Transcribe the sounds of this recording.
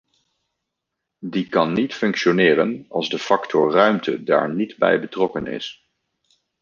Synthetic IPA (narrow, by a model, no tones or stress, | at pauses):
dikɑnːitfɵŋkʃonɪːrənɑ̰lˠzdəfɑktʰɔɹrœɥmtʰəda̰ːɹnidbɛ̰jbətrɔkənɪ̰s